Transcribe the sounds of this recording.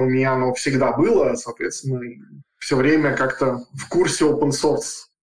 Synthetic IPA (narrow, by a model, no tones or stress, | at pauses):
ʊmʲɪnʲaɐnofsʲɪɡd̪abɨlˠəsɐːt̪vʲet̪st̪ʲɪnːəifsʲɵvɾʲemʲəkakt̪əfkursʲɪopənso̞rt̪s